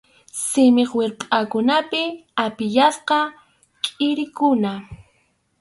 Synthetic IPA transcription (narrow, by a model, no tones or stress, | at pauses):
sɪmeχweɾpʼakʊnapɪapɪʎasqɑ | kʼɪɾɪkʊna